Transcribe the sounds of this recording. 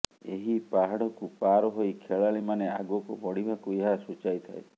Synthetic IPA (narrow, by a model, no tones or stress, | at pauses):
eɦipaɦaɽɔkupaɾɔɦojkʰeɭaɭimanea̰ɡuɔkobɔɽ̤ibʱakueɦasut͡ʃajt̪ʰae